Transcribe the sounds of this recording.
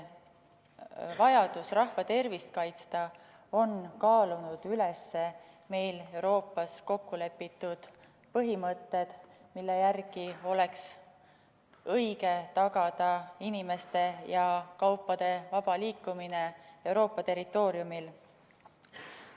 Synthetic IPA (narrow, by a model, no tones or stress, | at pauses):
vɑjɑd̪̥usrɑhvɑt̪e̞rvist̪̚kɑjt̪st̪ɑ | o̞nkɑːlunud̪̥yle̞sːe̞ | me̞jle̞wɾo̞ːpːˑɑsko̞kːule̞pːit̪ːˑud̪̥ | pɤɦimɤt̪ːe̞d̪̥milːejærɡ̥io̞le̞ks | ɤjɡe̞t̪ɑɡɑd̪̥ɑinime̞st̪e̞jɑkɑwpːˑɑd̪̥e̞vɑb̥ɑliːkːˑumine̞e̞wɾo̞ːpːˑɑt̪e̞ɾit̪ːˑo̞ːɾjumil